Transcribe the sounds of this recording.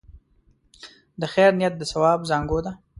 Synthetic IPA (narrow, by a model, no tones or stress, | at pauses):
d̪əxɛɾnɪjat̪̚d̪əsawɑːbzɑːŋɡod̪a